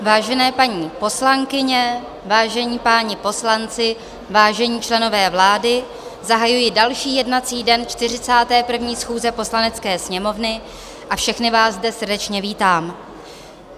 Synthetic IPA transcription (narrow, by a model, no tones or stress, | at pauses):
vaːʒɛnɛːpaɲiːpo̞slaŋkɪɲɛ | vaːʒɛɲiːpaːɲɪpo̞slant͡sɪ | vaːʒɛɲiːt͡ʃlɛno̞vɛːvlaːdɪ | zaɦajujɪdalʃiːjɛdnat͡siːdɛnt͡ʃt̪ɪr̝ɪt͡saːt̪ɛːpr̩vɲiːsxuːzɛpo̞slanɛt͡skɛːsɲɛmo̞vnɪ | ʔafʃɛxnɪvaːzzdɛsrdɛt͡ʃɲɛviːt̪aːm